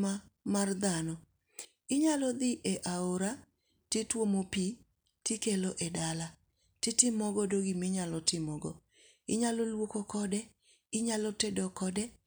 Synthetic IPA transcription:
amard̪anɔ | ɪɲalɔd̪ɪʔɛʔaoɾa | tetwomopi | tikeloʔɛdala | tɪtɪmɔɡɔdoɡimɪɲalɔtɪmɔɡɔ | ɪɲalolwokokɔdɛ | ɪɲalɔtedɔkɔdɛ

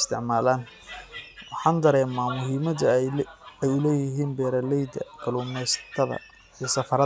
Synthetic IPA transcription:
st̪ʰɪʕmaːlaːn | wɑħɑːnd̪ɐɾɛːmaːmʊɦiːmɐd̪ɐ | ɛjʊlɛːjɪɦiːnbɛːɾɐlɛjd̪ɐ̰kʰɐluːmɛjst̪ʰɐðɐ̰ | isɐfɐɾɐ

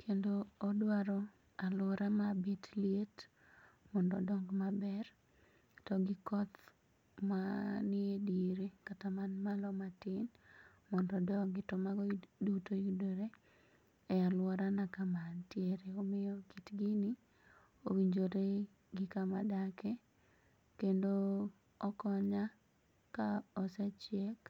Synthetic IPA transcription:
kʰendoːdwaɾɔ | alwɔɾamabitljet | mɔndɔdɔŋɡmabɛr | tɔɡɪkɔt̪ | manɪedeɾekatamanmalɔmatɪn | mɔndɔdɔɡɪtɔmaɡɔdutojudoɾe | ɛalwɔɾanakamantjeɾeomɪjɔkitɡɪnɪ | owiɲd͡ʒoɾe | ɡɪkamadake | kendo | ɔkɔɲa | kaɔsɛt͡ʃjɛk

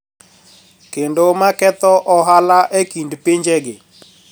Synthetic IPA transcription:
kendomakɛt̪ɔʔɔɦalaʔekindpeɲd͡ʒɛɡɪ

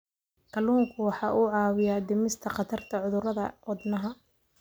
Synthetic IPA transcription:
kʰɐluːŋkʰʊwɑħɑːʔuʕɑːwɪjad̪ɪmɪst̪ʰɐqɑt̪ʰɐrt̪ʰɐʕʊðʊɾɐðɐʔɔd̪nɐɦɐ

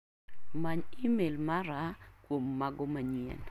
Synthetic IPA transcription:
maɲimelmaɾakwomːaɡɔmaɲiɛ̰n

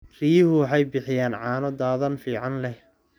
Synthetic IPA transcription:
rijɪhʊwɑħɑjbɪħɪjaːnʕɑːnɔd̪aːðɐnfiːʕɑnlɛh

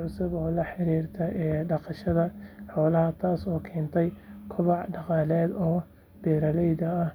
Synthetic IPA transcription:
ʕʊsʊβɔːlɐħɪɾiːrt̪ʰɐɛɖɑqɑʃɐðɐħɔːlɐɦɐt̪ʰaːsɔːkʰɛːnt̪ʰɛjkʰʊβɑʕɖɑqɑːlɛːd̪ɔː | b̥ɛːɾɐlɛjd̪ɐɐh

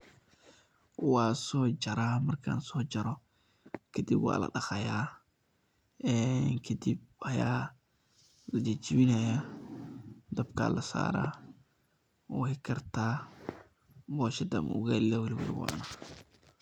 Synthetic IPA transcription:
waːsɔːd͡ʒɐɾaːmɐrkʰa̰nsɔːd͡ʒɐɾɔ | kʰɐd̪ibwa̰ːlɐ̰ɗɐxɐjaː | ɛŋkʰɐd̪ib̚hɐjaː | lɐd͡ʒɛd͡ʒɪβɪnɐja | d̪ɐbkʰa̰ːlɐsa̰ːɾa̰ | ɔːhɪkʰɐrt̪a | bɔːʃɛd̪ɐ̰mʊ̰ɣalɪlawɛlɪwɛ̰lɪ̰wɔ̰ʔna

